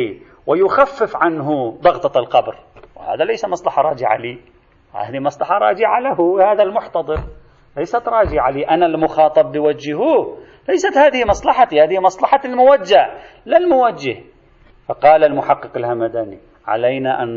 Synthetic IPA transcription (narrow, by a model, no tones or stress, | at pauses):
wɪjʊxafːɪfʕanɦʊd̪ˤɑɣt̪ˤɑlqɑbɾwɪha̰ːðalajsamɑsˤlɑħɑɾˤɑːd͡ʒɪʕa̰liː | ha̰ːðimɑsˤlɑħɑɾˤɑ̰ːd͡ʒɪʕalaɦʊhaːðalmʊħt̪ɑd̪ˤɨɾ | lajsat̪ɾˤɑːd͡ʒɪʕaliːʔanalmʊxɑːt̪ˤɑbːɪwad͡ʒːhu | lajsat̪haːðɪhmɑsˤlɑħɑhaːðɪhmɑsˤlɑħɑlmʊwad͡ʒːa | lɪlmʊwad͡ʒːɪh | fɑqɑːlalmʊħɑqːɨqɪlhamad̪aːni | ʕa̰lajnaʔan